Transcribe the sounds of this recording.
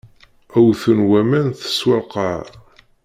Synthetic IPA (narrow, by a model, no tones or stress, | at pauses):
æwθənwæmænθə̥swəlqɑʕ